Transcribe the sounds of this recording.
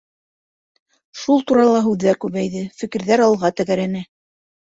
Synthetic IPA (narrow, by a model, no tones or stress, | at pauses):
ʃulˠt̪uɾɑlˠɑɦʉðːæɾkʉβæjðɘfɘ̆kɘ̆ɾðæɾɑlˠʁɑt̪æɣæɾænæ